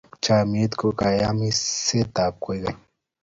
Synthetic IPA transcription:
t͡ʃamiet̪kokajamiset̪ap̚kojɡaɲ

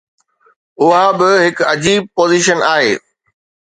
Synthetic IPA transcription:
ʊɦabɪɦɪkɐd͡ʑiːb̚poːziʃənaːɦḛː

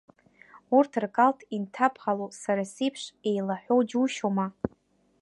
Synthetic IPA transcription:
urtʰɨrkʼaltʰintʰapʰʁalosaɾasijpʰʂe̞jlaħʷᶣowd͡ʒuʃoma

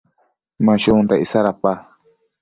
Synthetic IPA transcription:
mãʃund̪aʔisaɾapa

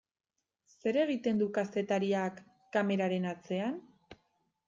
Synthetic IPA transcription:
se̞ɾe̞ɣ̞it̪e̞nd̪ukast̪e̞t̪aɾiakː | ame̞ɾaɾe̞nat͡se̞an

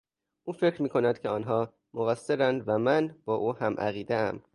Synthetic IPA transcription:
ʔuːfe̞cɾmiːkʰo̞næd̪̥cʰeɒːnɦɒː | moɣæsːeɾænd̪væmænb̥ɒːʔuːhæmʔæ̰ɣiːd̪eæ̰m

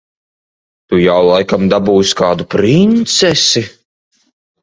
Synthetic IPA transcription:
t̪ujawlˠajkamd̪abuːjsʲkaːd̪upɾint̪sɛsi

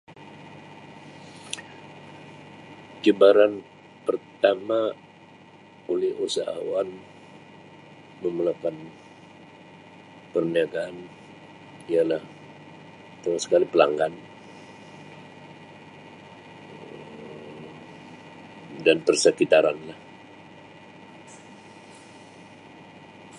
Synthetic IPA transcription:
d͡ʒəbaɾan | pərt̪ama | olɛhusa̰ɦa̰wan | məməlakan | pərniaɡaːn | ialah | t̪amasə̥kalipəla̰ŋɡan | danpərsəkit̪aɾanlah

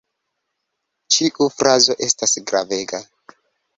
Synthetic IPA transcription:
t͡ʃiʔufɾazo̞ʔe̞stasɡɾave̞ɡa

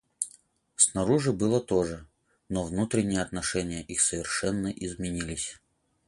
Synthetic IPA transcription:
snɐɾuʐɨbɨlˠət̪oʐɨ | novnut̪ɾʲɪnʲɪjəɐt̪nɐʂɛnʲɪjəʔixsəvʲɪrʂɛnːəʔɪzmʲɪnʲilʲɪsʲ

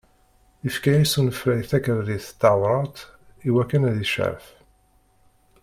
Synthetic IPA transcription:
ifkæjisunəfɾæjθækəɾðiθt̪ːɑwɾˤɑt̪ | iwækːənæðiʃʕæ̰ɾf

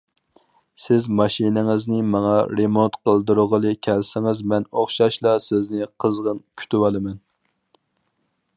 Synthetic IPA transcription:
sɪzmɑʃinɪŋɪznɪmɑŋɑɾemont̪qʰəlˠd̪ɨɾʊʁəlˠɨkʲʰɛlsɪŋɪzmɛnoχʃɑʃlˠɑsɪznɪqʰəzʁənkʲʰy̥t̪ywɑlˠɨmɛn

